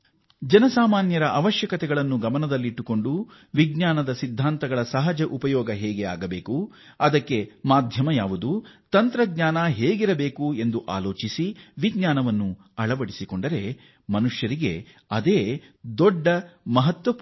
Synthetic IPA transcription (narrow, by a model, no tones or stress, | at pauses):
d͡ʒɐnɐsaːmaːnjɐɾɐʔɐʋɐʃjɐkɐt̪ɛɡɐɭɐnːuɡɐmɐnɐd̪ɐlːiiʈːuko̞ɳɖu | ʋiɡɲaːnɐd̪ɐsid̪ʱːaːnt̪ɐɡɐɭɐsɐɦɐd͡ʒɐʔupɐjɔːɡɐɦɛːɡea̰ːɡɐbe̞ːku | ɐd̪ɐkːe̞maːd̪ʱjɐmɐjaːʋud̪ut̪ɐnt̪ɾɐɡ̚ɲaːnɐɦeːɡiɾɐbe̞ːkue̞nd̪uʔa̰ːloːt͡ʃisiʋiɡɲaːnɐʋɐnːu | ɐɭɐʋɐɽisiko̞ɳɖɐɾe̞ | mɐnuʂjɐɾiɡe̞ | ɐd̪eː | d̪ɔɖːɐmɐɦɐt̪ʋɐ